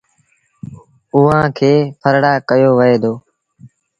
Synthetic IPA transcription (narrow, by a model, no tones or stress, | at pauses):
ʊːãːkʰeːpʰəɾɽaːkəjoːʋəeːd̪oː